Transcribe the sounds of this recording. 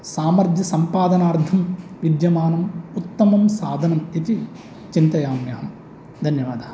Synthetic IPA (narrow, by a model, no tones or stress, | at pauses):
saːmɐɾd̪ʱjɐsɐmpaːd̪ɐnaːɾt̪ʰɐmʋid̪jɐmaːnɐmut̪ːɐmɐmsaːd̪ʱɐnɐmit̪i | t͡ʃint̪ɐjaːmjɐɦɐm | d̪ʱɐnjɐʋa̰ːd̪ɐɐ